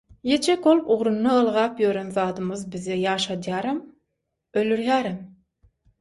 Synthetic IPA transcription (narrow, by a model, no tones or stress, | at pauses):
je̞t͡ʃʰekolˠpuʁɾunːɑɯlˠʁɑːpjøɾønzɑːd̪ɯmɯzbizejɑːʃɑd̪jɑːɾɑm | ølyɾjæːɾɑm